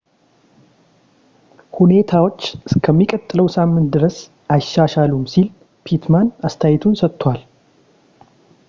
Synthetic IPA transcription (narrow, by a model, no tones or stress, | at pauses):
hune̞t̪ʰawot͡ʃːskʰəmːikʼət̪ʼːɨləwsamːɨnt̪̚d̪ɨɾəs | aʃːaʃalumsil | pʰit̪manast̪ʰajɪt̪ʰunsət̪ʰʼːwal